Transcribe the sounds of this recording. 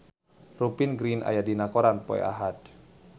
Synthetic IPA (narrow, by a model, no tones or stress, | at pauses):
rupinɡɾinʔa̰jadinakɔɾanpɔ̰ɛ̰a̰ɦat̪̚